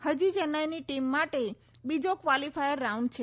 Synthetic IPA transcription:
həd͡ʒid͡ʒənajniʈimːaʈe | bid͡ʒokʋalifʰajəɾːauɳɖ̚t͡ʃʰe

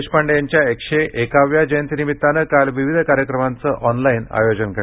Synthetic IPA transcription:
ɕpaɳɖjaɲt͡ɕjaekɕeʔekaʋjad͡ʑəjənt̪inimit̪ːanəkalʋiʋid̪ʱəkaɾjəkɾəmant͡səʔɔnlajna̰jod͡ʑənkə

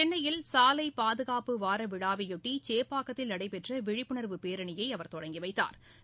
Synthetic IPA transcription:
ɛnːɐjɪlsaːlɐɪpaːðɯɣaːpɯʋaːɾɐʋɪɽaːʋɐjɔʈːit͡ʃeːpːaːkɐt̪ːɪlɐɽɐɪpɛʈrɐʋɪɻɪpːɯɳɐɾʋɯpeːɾɐɳɪjɐɪɐʋɐɾt̪ɔɽɐŋɡiʋɐɪt̪ːa̰ːɾ

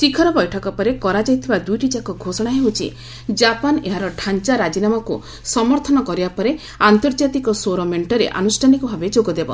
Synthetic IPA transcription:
t͡ʃikʰɔɾɔbɔjʈʰɔkɔpɔɾekɔɾad͡ʒajt̪ʰibad̪ujʈid͡ʒakɔɡʱosɔɽ̃aɦeɦot͡ʃʰḭ | d͡ʒapaneɦaɾɔʈʰant͡ʃaɾad͡ʒinamɔku | sɔmɔɾt̪ʰɔnɔkɔɾibapɔɾe | ant̪ɔɾd͡ʒat̪ikɔsoɾɔmeɳʈɔɾḛʔa̰nusʈʰanikɔbʱabed͡ʒoɡɔd̪ebɔ̰

